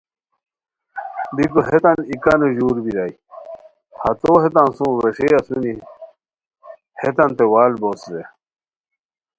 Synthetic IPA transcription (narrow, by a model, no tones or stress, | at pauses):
d̪ikuɦet̪ɐnikanuʑuːɾbiɾai | hɐt̪oːɦet̪ãnsũːɾeʂeasuni | het̪ɐnt̪ewaːlboːsze